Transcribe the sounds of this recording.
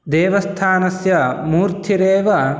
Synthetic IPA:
d̪ɛːʋɐst̪ʰaːnɐsjɐmuːɾt̪ʰiɾeːʋɐ

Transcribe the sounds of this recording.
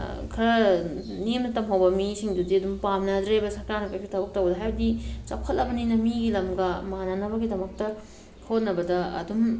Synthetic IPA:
kʰɐɾɐnimnɐtɐmɦɐwbɐmisiŋdudiɐdumpamnɐdɾebɐsɐɾkaɾnɐpajsʰitʰabɐk̚tɐwlɐɦajbɐdit͡ʃɐwkʰɐtlɐbɐninɐmiɡilɐmɡɐmananɐbɐɡidɐmɐk̚tɐ | kʰot̚nɐbɐdɐɐ̰dum

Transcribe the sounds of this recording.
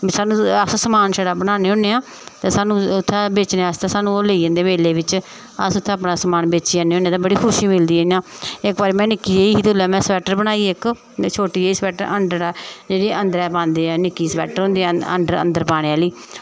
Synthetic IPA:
saːnũːəssəmaːnʃɛːɽaːbəɽaːneːɦõːneːãː | t̪eːsaːnũːʊt̪ʰːɛːbeːt͡ʃneːaːst̪ãːsaːnũːoːleːiːə̃ːnd̪eːmeːleːʋɪt͡ʃ | əsʊt̪ʰːẽːəpnaːsəmaːnbeːt͡ʃiːãːneːɦoːneaːt̪ãːbəɽiːkʰʊʃiːmɪld̪iːiːjãːɪkbaːɾiːmɛ̃ːnɪkːiːeːiːɦiːt̪ʊlɛːmɛ̃ːsəpɛːʈəɾbəñaːiːɪk | t͡ʃʰoːʈiːeiːspɛːʈəɾənɖəɾd͡ʒeːɽiːʔənd̪əɾɛːpãːnd̪eːaːnɪkːiːspɛ̰ːʈəɾɦõːnd̪eːə̰nd̪əɾə̰nd̪əɾpaːɽ̃eːaːliː

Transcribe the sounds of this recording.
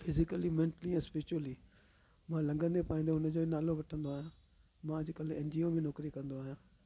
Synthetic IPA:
pʰɪzɪkəlimẽːɳʈəliɛ̃ːspɪɾɪt͡ʃəliː | mãlɐ̃ŋɡə̃nd̪epaːĩːnd̪oʊnəd͡ʑoːnaːloʋɐʈʰə̃nd̪oaːɦijãː | mãd͡ʑɪkəleːnd͡ʑiomẽnɔːkɾikɐ̃nd̪oaːɦijãː

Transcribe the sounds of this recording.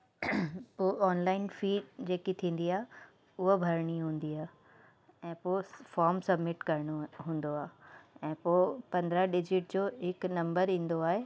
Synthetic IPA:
poːʔɔːnlaːɪnfiːɖd͡ʑeːkit̪ʰĩːn̆d̪iaːɦe | ʊɦobʱɐɾɽ̃iɦũːn̆d̪iaːɦ | ɛ̃ːpoːfɔːɾmsɐbmɪʈkɐɾɽ̃oɦũːn̆d̪oaːɦɛ̃ːpoːpɐ̃nd̪ɾaɖɪd͡ʑɪʈ̚d͡ʑoːɦɪknɐ̃mbəɾĩːn̆d̪oaːɦeː

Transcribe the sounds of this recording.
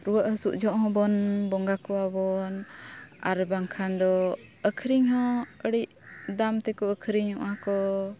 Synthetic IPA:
ɾuwəʔɦəsuʔd͡ʒɔʔɦɔ̃bɔnbɔŋɡakɔabɔna̰ɾbaŋkʰand̪ɔəkʰɾiŋhɔ̃əɽiʔ | d̪amt̪ɛkɔəkʰɾiɲhɔ̰ʔakɔ

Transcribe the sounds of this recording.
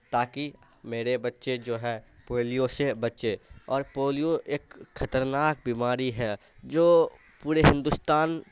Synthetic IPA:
t̪aːki | meːɾebɐtːʃed͡ʒoːɦɛːpoːlijosebɐtːʃeɔːɾpoːlijoʔeːkxɐt̪əɾnaːk̚bimaːɾiɦɛ | d͡ʒoː | puːɾeɦɪ̃nd̪ʊst̪aːn

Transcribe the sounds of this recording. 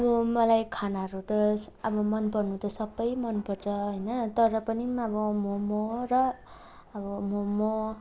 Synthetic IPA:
ʌbʌmʌlajkʰanaɾut̪ʌsʌbʌmʌnpʌrnut̪ʌsʌbʌjmʌnpʌrt͡sʰʌɦʌjnʌt̪ʌɾʌpʌnimʌbʌmomoɾʌː | bʌmomo

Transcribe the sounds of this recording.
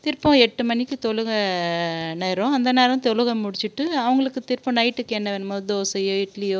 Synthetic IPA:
t̪ɪɾpɔ̃ɛʈːɯmɐnːɪkːɯt̪ɔɻɯɣɐ | neːɾõɐnd̪ɐneːɾɐ̃t̪ɔlɯɣɐmʊɽɪt͡ʃːɯʈːɯɐʋɐŋɡɐɭɯkːɯt̪ɪɾpɔ̃nɐɪʈːɯkːɛnːɐʋenmoːd̪oːsɐjoːɪʈlɪjoː

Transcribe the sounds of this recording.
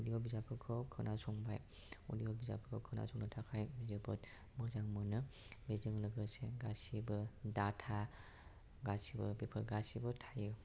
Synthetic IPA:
udijɔbizapʰɯkʰɔkʰɯnasɔŋbaj | ṵlijɔbiza̰pʰɯkʰɔkʰɯna̰sɔŋnɯtʰakʰajmizɯbɔt | mɯzaŋmɯnɯ | bezɯŋlɯɡɯseɡasibɯdatʰa | ɡasibɯbepʰɯɾɡasibɯtʰajɯ

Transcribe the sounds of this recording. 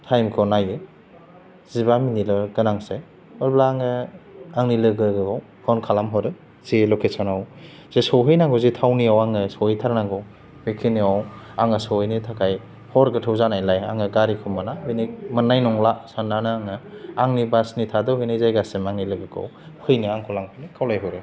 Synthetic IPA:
tʰajmkʰɔnajɯ | zibaminilɔɡɯnaŋse | ɔlblaːŋɯaŋnilɯɡɯɡɯɡaw | hʰɔnkʰalamɦɔɾɯ | z̥ilɔkʰesanaw | z̥esɔwɦɯjnaŋɡɔzitʰawniawaŋɯsɔwhɯjtʰaɾnaŋɡɯw | bekʰiniaw | aŋɯsɔwhɯjnitʰakʰaj | hɔɾɡɯtʰɯwzanajlaja̰ŋɯɡaɾikʰɯmːanabinimɯnːajnɔŋlasananɯaŋɯaŋnibasnitʰadɯhɯjnɯzajɡasemaŋnilɯɡɯɡa̰w | hʰɯjniaŋkʰɔlaŋpʰnikʰawlajɦɯwɾɯ

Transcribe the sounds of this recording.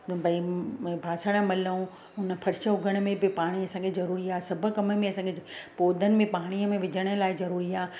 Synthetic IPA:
pɐbʱaːsəɽ̃əmɐlõ | ʊnə̆pʰɐɾɪʃəɦʊɡʱəɽ̃̆mẽbɪpaːɽ̃iɐsãːŋkʰezɐɾuːɾiaːsɐbʱə̆kɐməmẽɐsãːɡepoːd̪ʱənɪ̆mẽpaːɽ̃iəmẽʋɪd͡ʑʱəɽ̃ə̆laːɪzɐɾuːɾiaː

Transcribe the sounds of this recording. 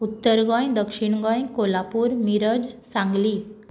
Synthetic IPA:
ut̪ːəɾɡɔ̃jd̪əkʂiɳɡɔ̃jkolapuːɾmiɾəd͡ʑsãŋɡliː

